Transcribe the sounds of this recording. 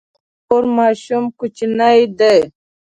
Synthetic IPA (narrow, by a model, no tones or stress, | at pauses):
oɾmaːɕumkut͡ʃinajd̪e